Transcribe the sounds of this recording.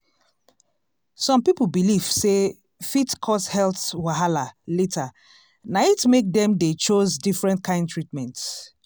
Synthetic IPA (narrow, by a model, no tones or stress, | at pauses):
sɔ̃mpipəl̩biliv̥se | fitkʰɔshɛlθwaɦalaletʰa | naitmek̚dɛ̃mdet͡ʃozdifɹɛ̃ntkʰãɪ̃ndtʰɹitmɛ̃nt